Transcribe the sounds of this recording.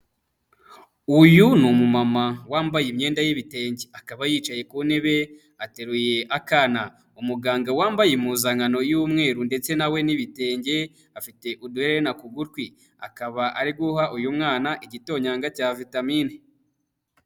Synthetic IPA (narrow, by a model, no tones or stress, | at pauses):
ujunumumamawaːmbajimɲe̞ːndajiβite̞ːɲɟeakaβajiːt͡ʃaje̞kune̞βe̞ | ate̞ɾuje̞ʔakana | umuɡaːŋɡawaːmbajemuzaŋano̞juːmŋe̞ːɾunde̞t͡se̞nawe̞niβite̞ːɲɟe̞ | afite̞ʔuduheɾeɾenakuɡuɾkwi | akaβaʔaɾiɡuhaʔujumŋaːnaʔiɟito̞ɲaːŋɡacaːvitamiːne